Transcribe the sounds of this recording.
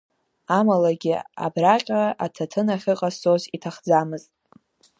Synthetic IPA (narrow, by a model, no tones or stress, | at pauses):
amalaɡʲɪa̰braqʲʼaʔatʰatʰɨnaχʲɨqʼast͡sʼozitʰaχd͡zamɨztʼ